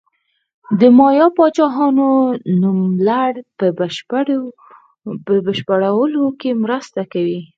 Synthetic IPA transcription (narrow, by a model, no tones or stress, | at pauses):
d̪əmɑjɑpɑt͡ʃɑɦɑnonumlaɽpə | əbəʃpaɽawəlokemɾəst̪akawi